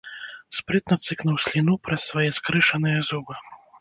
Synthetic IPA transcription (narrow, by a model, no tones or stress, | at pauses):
spɾɨt̪nɐt̪sɨknuwsʲlʲinupɾɐsːvajɛskɾɨʂɐnɨjɐzubɨ